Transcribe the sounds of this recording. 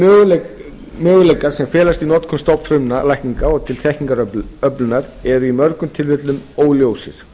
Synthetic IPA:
mœːɣʏlejkaɾ̥sɛmfɛːlast̪inɔːt̪kʰɔmst̪ɔwpfɾʏmnalajhkniŋkaɔɣt̪ʰɪlθɛhkniŋkaɾœœplʏnaɾɛɾʏimœɾkʏmt̪ʰɪlvɪt̪lʏmoːwljowsɪ̰ɾ̥

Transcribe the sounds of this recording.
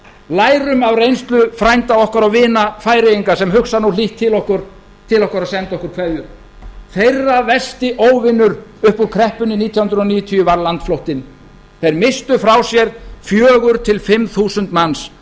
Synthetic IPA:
laːjɾʏmavrejnst̪lʏfɾajnt̪aɔhkaɾawvɪːnafaːjɾɪjiŋkasɛmɦʏksanuliht̪ʰːɪlɔhkʏɾ̥ | t̪ʰɪlɔhkaɾaðsɛnt̪aɔhkʏɾkʰvɛðjʏ | θejrːavɛst̪ɪʔoːwvɪnːʏɾʏhpuɾkʰɾɛhpʏnɪniːt̪ʰjawhʏnɾʏɔniːjʏt̪ʰijʏvaɾlant̪flowht̪ɪn | θejɾmɪst̪ʏfɾawsjɛɾ̥fjœːɣʏɾ̥t̪ʰɪlfɪmθuːsʏnt̪mans

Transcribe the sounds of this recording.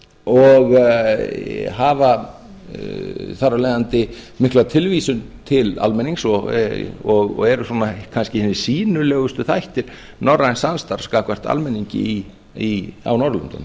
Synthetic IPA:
ɔɣ | ɦaːva | θarːaleːjðant̪ɪmɪhklat̪ʰɪlvisʏnt̪ʰɪla̰lmɛniŋsɔ | ɔɣɔ̰ɛɾʏsuːnakʰanscɪhɪnːɪ̥siːnʏlɛːɣʏst̪ʏθajht̪ɪɾ̥ | nɔrːajnsanst̪aɾskaːkʰvar̥t̪a̰lmɛnːiɲcɪ̰i | ia̰wnɔɾlʏ̰nt̪ʏ̰n

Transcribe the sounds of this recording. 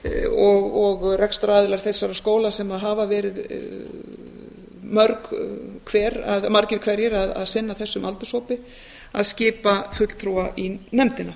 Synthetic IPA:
ɔɣɔɣrɛkst̪ɾaːðɪlaɾ̥θejsːaɾaskoːwlasɛmaðɦavavɛːɾɪð | mœɾkkʰvɛːɾaðmaɾcɪɾ̥kʰv̥ɛːɾjɛɾaða̰ðsɪnːaθɛsːʏmʔa̰lt̪ʏsoːwpɪ | aðscɪːpafʏt̪l̥t̪ʰɾuːaʔinɛmt̪ɪna

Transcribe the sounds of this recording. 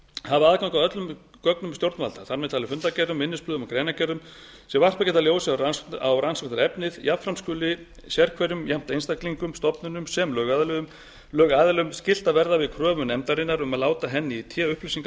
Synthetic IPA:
havɪaðkawŋkawœt̪lʏm | kœknʏmst̪jowɾt̪malt̪aθaɾmɛðt̪ʰaːlɪfʏnt̪acɛrðʏmːɪnːɪsplʏðʏmawkɾejnacɛɾʏmsɛvar̥t̪acɛːt̪aljoːwsɪaawransɔkt̪aɾɛpnɪðjapfɾamskʏːlɪ | sjɛɾkʰvɛɾʏmjam̥t̪aejnst̪akliŋkʏmst̪ɔpnʏnʏmsɛmlœːɣaðlʏðʏm | lœːɣaðlʏmscɪl̥t̪avɛɾðavɪðkʰɾœːvʏnɛmt̪aɾɪnːaɾʏmaðlaːwt̪aɦɛnːɪit̪ʰjɛːʏhplʏsiŋk

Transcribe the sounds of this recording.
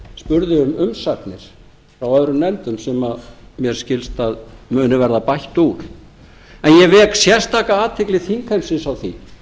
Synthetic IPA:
spʏɾðɪʏmʏmsat̪nɪɾ̥ | fɾawœðɾʏmnɛnt̪ʏmsɛmaðmjɛɾ̥scɪlst̪aðmʏːnɪvɛɾðapajht̪uɾ̥ | ɛnjɛvɛːksjɛr̥st̪ʰaːkaaːt̪ʰɪklɪθiŋkʰhɛmsɪnsawθi

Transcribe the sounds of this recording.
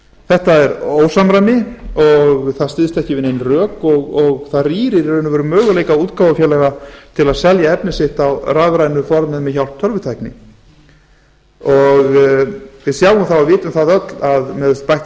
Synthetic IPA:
θɛht̪aɛɾoːwsamɾajmɪɔɣθaðst̪ɪðst̪ɛhcɪvɪðnejnrœːkɔɣɔɣθaðriːɾɪɾœːnʏvɛɾʏmœːɣʏleːjkauːt̪kaːwvafjɛːlɛɣat̪ʰɪlaðsɛljaɛpnɪsɪht̪awraːvɾaːjnʏfɔɾmɛðmɛðçawl̥t̪ʰœɾvʏt̪ʰajknɪ̰ | ɔɣ | vɪðsjawʏmθawavɪːt̪ʏmθaðœt̪laðmɛðst̪pajht̪

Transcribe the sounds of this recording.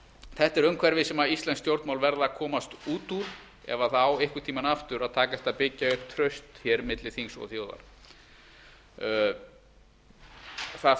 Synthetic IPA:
θɛht̪ɛɾœmkʰvɛɾvɪsɛmaist̪lɛnst̪jowɾt̪mawlvɛɾðakʰɔːmast̪uːt̪uɾ̥ | ɛ̰vaθawehkʏt̪ʰiːmanaft̪ʏɾaðt̪ʰaːkaɛ̥t̪ːapɪcːaʏhp̚t̪ʰɾœɥst̪çɛɾmɪt̪lɪθiŋsɔ̰ɣθjoːwða̰ɾ̥ | θa

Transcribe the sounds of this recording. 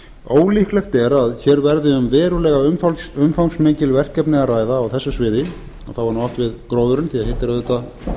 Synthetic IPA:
oːwlihklɛxt̪ɛɾaðçɛːɾvɛɾðɪʏmvɛːɾʏlɛːɣaʏʏmfawŋsmeːjcɪlvɛr̥cɛpnɪɣaraːjðaːwθɛsːʏsvɪːðɪ | a̰θawvaɾnaaft̪vɪðkɾoːwðʏɾʏnθiaðhɪht̪ɪɾaðɛt̪a

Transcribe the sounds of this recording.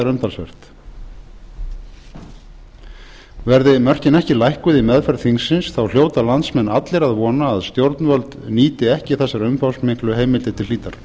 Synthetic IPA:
ɾœmt̪ʰalsvɛr̥t̪ | vɛɾðɪmœr̥cɪnɛhcɪlajhkʏðɪmɛðfɛɾθiŋsːɪnsθawl̥joːwt̪alant̪smɛnːat̪lɪɾaðvɔːnaːðst̪jowɾt̪nvœlt̪niːt̪ɪɛhcɪθɛsːaɾœmfawsmeŋ̥klʏɦeːjmɪlt̪ɪt̪ʰɪliːt̪aɾ̥

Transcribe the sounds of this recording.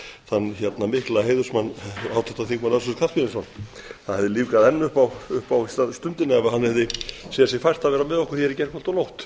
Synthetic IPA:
θanːçjɛt̪namɪhklaɦeːjðʏɾ̥smanːaːwt̪ʰɛht̪aθikmanas̬ɔ̥kʰafmiðɪnsɔnθanhɛvðɪliːvkaðɛnːʏhpawʏhpawist̪ast̪ʏmt̪ɪnɪɛvahanhɛvðɪsɛjasjɛɣfajr̥t̪aðvɛːɾamɛðɔhkʏ̥ɾ̥jɛɾɪcɛr̥kʰfɔlt̪ɔnowht̪

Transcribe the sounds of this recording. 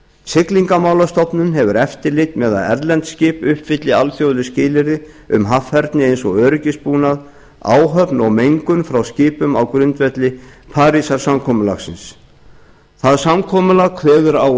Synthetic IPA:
sɪkliŋkamaːwlast̪ɔpnʏnɦɛvʏɾɛft̪ɪɾlɪt̪mɛːða̰ðɛ̰ɾlɛnt̪scɪːpʏhpfɪt̪lɪalfjowðɾɪscɪːlɪɾɪ | ʏmɦafhɛɾt̪nɪejnsɔɣœːɾʏcɪspuːnað | a̰ːwɦœpnɔɣmejŋkʏnfɾawscɪːpʏmawkɾʏnt̪vɛt̪lɪpʰaːɾisaɾ̥samkʰɔːmʏla̰xsɪ̰ns | θaðsamkʰɔːmʏlaɣkʰvɛːɣʏɾaw

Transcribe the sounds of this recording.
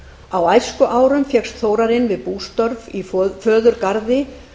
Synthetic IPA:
awajskʏʔaːwɾʏmfjɛkst̪θoːwɾaɾɪnvɪðpuːst̪œɾvifœːðʏɾkaɾðɪ

